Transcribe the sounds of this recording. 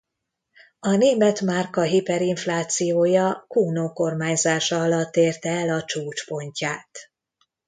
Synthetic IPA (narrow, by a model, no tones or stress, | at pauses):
ɒneːmɛt̪markɒɦipɛɾiɱflaːt̪sijoːjɒkuːnoːko̞rmaːɲzaːʃɒɒlɒt̪ːeːrt̪ɛɛlɒt͡ʃuːt͡ʃpo̞ɲcaːt̪